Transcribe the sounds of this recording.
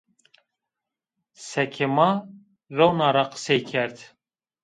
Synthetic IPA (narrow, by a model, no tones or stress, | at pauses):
sɛkʰemɑ | rownɑɾɑqə̥sejkʰɛɾt̪